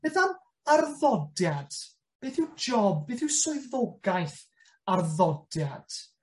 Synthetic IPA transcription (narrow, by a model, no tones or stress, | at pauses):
b̥ɛθam | arðɔdjad̥ | b̥eːθɪwd͡ʒɔb̚beːθɪwsɔɨðɔɡaɨθ | arðɔdjad̥